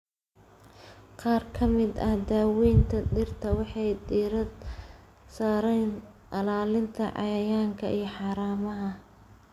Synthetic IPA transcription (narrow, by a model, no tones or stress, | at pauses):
qɑːrkʰɐmɪd̪ɐhd̪aːwiːnt̪ʰɐd̪ɪrt̪ʰɐwɑħɑjd̪iːɾɐd̪ | saːɾɛjn | ʔɐlaːlɪnt̪ʰɐʕɑ̰jɐjaːŋkʰɐʔijɞħɑːɾaːmɐɦɐ